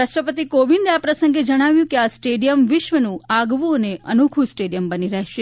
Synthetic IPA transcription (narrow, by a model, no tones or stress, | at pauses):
aʃʈɾəpət̪ikoʋind̪apɾəsə̃ŋɡed͡ʒəɽ̃aʋjũkeasʈeɖijəmʋɪʃʋənũaɡʋũəneənukʰũsʈeɽijəmbəniɾəɦeʃe